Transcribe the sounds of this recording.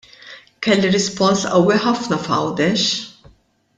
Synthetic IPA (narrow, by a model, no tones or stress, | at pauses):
kɛlːiɾɪspɔnsɐwːiħɐfnɐfɐ̰wd̪ɛʃ